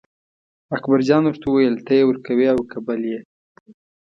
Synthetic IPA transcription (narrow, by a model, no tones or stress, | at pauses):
akbaɾd͡ʒɑnwəʐt̪awajəlt̪ajewəɾkawiawkabalje